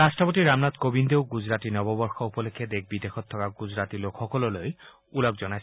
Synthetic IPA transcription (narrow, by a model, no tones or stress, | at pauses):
ɾastɹɔpɔt̪iɾamnat̪kobind̪ewɡud͡ʒɾat̪inɔbɔbɔɹxɔupɔlekʰːed̪ek̚ʰbid̪exʰɔt̪ʰːɔkaɡud͡ʒɾat̪ilokʰxɔkɔlɔloj | ulɔkd͡ʒɔnajs